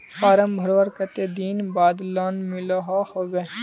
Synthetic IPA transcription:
faːɾəmbʱɐɾʋəɾkɐt̪eːd̪iːnbaːd̪laːnmɪloɦahoːʋeː

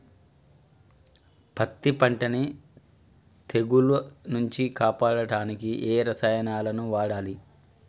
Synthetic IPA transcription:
pɐt̪ːipɐɳʈɐni | t̪ʰe̞ɡulunuɲt͡ʃikaːpaːɽɐɽaːnikiʔeːɾɐsɐjɐnaːlɐnuʋaːɽaːli

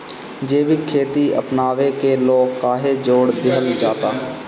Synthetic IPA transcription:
d͡ʒeːbikʰeːt̪iə̰pnaːʋekeloːɡkaːɦed͡ʒoːɽd̪ɪɦəld͡ʒaːt̪aː

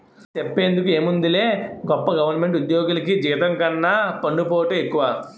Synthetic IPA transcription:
t͡ʃepːe̞ːnd̪ukue̞ːmund̪ile̞ːɡɔpːɐɡɐʋɐɾnɐme̞ɳʈud̪jɔːɡulɐkid͡ʒiːt̪ɐŋkɐnːapɐnɖupoːʈeːekːuʋaː

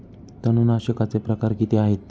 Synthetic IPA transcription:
t̪ənunaɕəkat͡sepɾəkaɾkit̪eaɦet̪

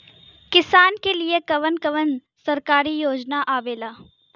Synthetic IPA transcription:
kɪsaːnkeliekɐʋənkɐʋən | sɐɾkaːɾijoːd͡ʒnaʔaːʋeːlaː

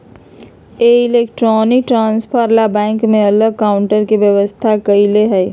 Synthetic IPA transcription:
eɪleːkʈɾɔːnɪk̚ʈɾãːnspʰəɾlabɛ̃ːŋkmẽɐləɡ̚kaːʊɳʈəɾkiʋjəʋəst̪ʰakɐileɦɛː

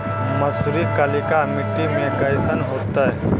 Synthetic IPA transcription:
mɐsuɾikəlikamɪʈːimẽkəjsənɦoːt̪aɛ

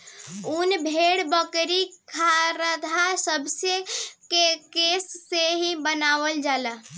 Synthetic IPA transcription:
unbʱeɽbəkɾikʰaɾəd̪ʱasəbʱsekekesːeɦĩbənaʋəld͡ʒalə

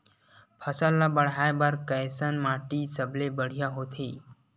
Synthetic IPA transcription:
pʰəsəlːabəɽ̤aːebaɾkəjsənmaːʈisəbʱlebəɽ̤ijaɦot̪ʰeː

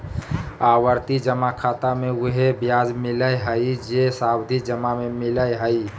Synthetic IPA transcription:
awəɾt̪id͡ʒəmakʰat̪amẽuɦebjad͡ʒmiləjɦəid͡ʒesabd̪ʱid͡ʒəmamemɪləjɦəi

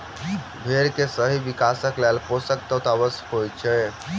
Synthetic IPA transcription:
bʱeɾkesəɦiʋikasəklɛlposəkt̪ət̪abəshojt͡ʃʰɛ

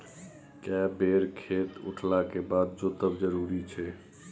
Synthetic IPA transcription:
kɛbeɾkʰet̪ṵʈʰlakebad̪̚d͡ʒot̪əbd͡ʒəɾuɾit͡ʃʰɛ

